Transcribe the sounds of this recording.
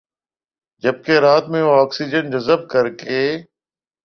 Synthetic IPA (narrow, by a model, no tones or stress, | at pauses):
d͡ʒəb̚keɾaːt̪mẽɔːksid͡ʒənd͡ʑəzəb̚kəɾkeː